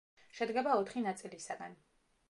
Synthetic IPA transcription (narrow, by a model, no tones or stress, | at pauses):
ʃɛd̪ɡɛbaɔt̪ʰχinat̪sʼilisaɡan